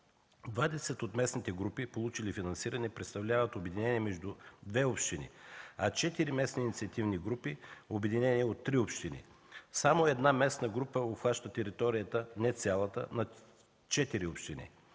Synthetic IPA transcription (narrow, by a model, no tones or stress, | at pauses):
d̪vad̪ɛsɛt̪ot̪mɛsnit̪ɛɡɾupipolˠut͡ʃilifinɐnsiɾɐnɛpɾɛt̪st̪ɐvlʲavət̪obɛd̪inɛniəɛmɛʒd̪ud̪vɛopʃt̪inḭɐt͡ʃɛt̪iɾimɛsniːnit̪siɐt̪ivniɡɾupiobɛd̪inɛnʲiot̪ːɾiopʃt̪inḭ | samoɛd̪namɛsnəɡɾupəopxaʃt̪ət̪ɛɾit̪ɔɾijət̪ənɛt̪sʲalˠət̪ə̰nɐ | t͡ʃɛt̪iɾiopʃt̪inḭ